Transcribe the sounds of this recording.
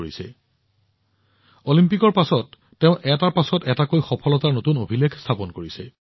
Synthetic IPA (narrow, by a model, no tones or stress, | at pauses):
isɛ̰ | olimpikɔɹpasɔtː | eʊ̃ʔɛtaɹpasɔtɛtakojxɔpʰɔlɔtaɹnotunobʱilekʰstʰapɔnkoɹisɛ